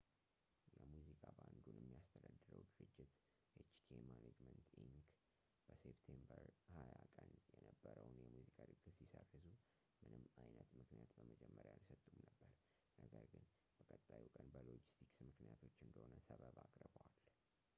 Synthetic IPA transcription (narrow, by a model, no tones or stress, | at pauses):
jɛmuzikʼaband̪unʔɛmːijast̪ʰəd̪ad̪ːɨɾəwd̪ɨɾɨd͡ʒːɪt̪ | jɛt͡ʃi̥kʰemaned͡ʒmənt̪iŋk | b̥əsept̪ʰembəɾhajakʼənjɛnəbːəɾəwnjɛmuzikʼalɨɡːɨt̪sisərːɨzu | mɨnɨmajnət̪mɨknijat̪bəməd͡ʒɛmːəɾjajsət̪ʼːumnəbːəɾ | nəɡəɾɡɨn | b̥əkʼət̪ʼːajukʼənbəlod͡ʒist̪ʰiksmɨknijat̪ʰo̞t͡ʃːɨnd̪əhonəsəβəβakʼɾbəwal